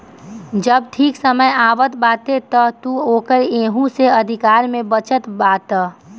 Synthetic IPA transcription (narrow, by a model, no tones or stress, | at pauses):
d͡ʒəb̚ʈʰiːksəməjaːʋət̪baːt̪et̪ɔt̪uoːkəɾeːɦũseɐd̪ʱɪkaːɾmẽbət͡ʃət̪baːt̪ə